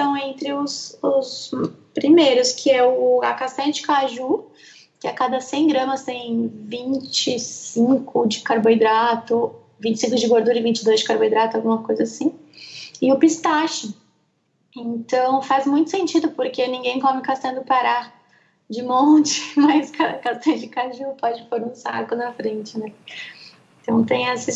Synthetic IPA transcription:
t̪ɐ̃w̃ẽnt̪ɾɪʊsʊspɾimejɾʊskʰɪɛʊakast̪ɐ̃ɐd͡ʒɪ̥kaʒu | kɪakad̪ɐsẽj̃ɡɾɐ̃mɐst̪ẽj̃vĩt͡ʃɪsĩŋkʊd͡ʒɪkaɾbojd̪ɾat̪ʊ | vĩt͡ʃɪ̥sĩŋkʊzd͡ʒɪɡoɾd̪uɾɐɪvĩnt͡ʃɪd̪ojzd͡ʒɪkaɾbojd̪ɾat̪ʊawɡũmɐkojzɐasĩ | ɪʊpist̪aʃʊ | ẽnt̪ɐ̃w̃fazmũj̃t̪ʊsẽnt͡ʃid̪ʊpoɾkenĩŋɡẽj̃kõmɪkast̪ɐ̃d̪ʊpaɾa | d͡ʒɪmõt͡ʃɪ̥majskʰakast̪ɐ̃d͡ʒɪkaʒupɔd͡ʒɪpoɾũsa̰kʊnɐfɾẽt͡ʃɪnɛ | ɪ̃nt̪ɐ̃w̃t̪ẽj̃ɛsɪ

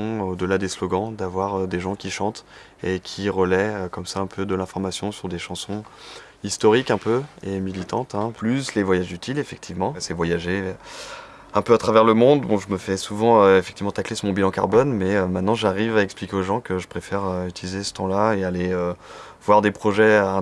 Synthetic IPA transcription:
ɔ̃od̪əlad̪eslɔɡɑ̃d̪avwaʁød̪eʒɑ̃kʲiʃɑ̃t̪ | ekʲʰiʁəlɛøkɔmsaɛ̃pʰød̪əlɛ̃fɔʁmasjɔ̃syʁd̪eʃɑ̃sɔ̃ | ist̪ɔʁikɛ̃pøemilit̪ɑ̃t̪ɛ̃plyslevwajaʒyt̪ʰilefɛk̚t̪ʰivmɑ̃sɛvwajaʒe | ɛ̃pøat̪χavɛʁləmɔ̃d̪bɔ̃ʒəməfɛsuvɑ̃øefɛk̚t̪ivmɑ̃t̪aklesʁmɔ̃bilɑ̃ka̰ʁbɔnmɛømɛ̃t̪nɑ̃ʒaʁivaɛksplikʲeoʒɑ̃kəʒəpχefɛʁøyt̪ilizesə̥t̪ɑ̃laealeø | vwaʁd̪epχɔʒɛɛ̃

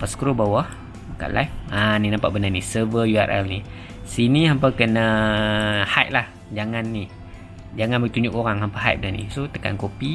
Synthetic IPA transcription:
pasə̥kɾobawah | bəka̰ʔla̰jfaninampa̰ʔbənanisəvəjuarɛ̰lni | siniɦampakənə | hajt̪̚lah | d͡ʒaŋanːi | d͡ʒaŋanbəɡit̪uɲd͡ʒʊk̚oɾaŋɦampaɦa̰jt̪̚bənanḭsot̪ə̥ka̰nkopi

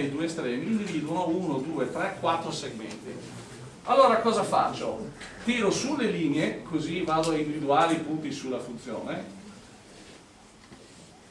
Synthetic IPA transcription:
ejd̪uːest̪ɾɛːmiːnd̪iviːd̪uonounod̪uːet̪ɾɛkːwat̪ːɾoseɡmḛnt̪ḭ | alːoːɾakɔːzafa̰t͡ʃːo̰t̪iːɾosulːeliːneekʰozivaːd̪oaind̪ivid̪uaːɾeipunt̪isulːafunt̪sjo̰ːne

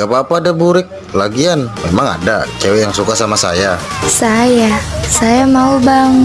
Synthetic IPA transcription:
ɡapaːpaːdabuɾɪk̚ | laɡianmemaŋa̰dat͡ʃewɛjaŋsukasamasajasajasajamaubaŋ

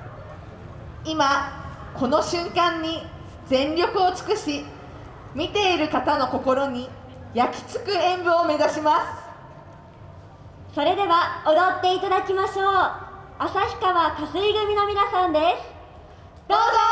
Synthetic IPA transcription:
ima | kʰo̞no̞ɕɨ̃ŋkãɲ̟ːi | d͡zẽ̞nɾʲo̞kɯ̟ot͡sɨ̥kɯ̟ɕi | mʲit̪e̞iɾɯ̟kat̪ano̞ko̞ko̞ɾo̞ɲ̟i | jakʲi̥t͡sɨ̥kɯ̟ẽ̞mbɯome̞zaɕimasɨ̥ | so̞ɾe̞d̪e̞βaod̪at̪ːe̞it̪ad̪akʲimaɕoː | asaçʲi̥kaβakasɨiɡɯ̟mʲino̞mʲinasãnd̪e̞sɨ̥ | d̪oːzo

